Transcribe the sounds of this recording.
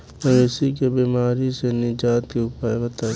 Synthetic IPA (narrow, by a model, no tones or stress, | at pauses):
məɾesik̬ebiːmaːɾisenɪd͡ʒaːt̪kiʊpaebɐt̪aː